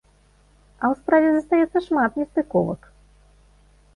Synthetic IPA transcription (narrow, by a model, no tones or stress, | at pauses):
ɐwspɾavʲɛzɐst̪ajɛt̪sːɐʂmat̪nʲɛst̪ɨkɔvɐ̰k